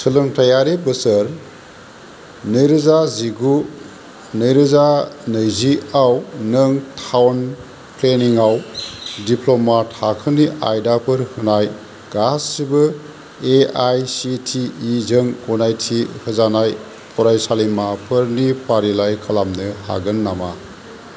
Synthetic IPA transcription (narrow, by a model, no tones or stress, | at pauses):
sʰɯlɯŋtɐjaɾibɯsəɾ | nɯjɾɯzaziɡu | nɯjɾɯzanɯjziawnɯŋtʰawn | pʰleniŋawdipʰlomathakʰɯniʔa̰jdapʰɯɾhɯnaj | ɡ̥asːibɯ | eajsitʰiːzɯŋɔnajtʰihɯzanaj | pʰɔɾajsalimapʰɯɾnipʰaɾilajkʰalamnɯha̰ɡɯnːama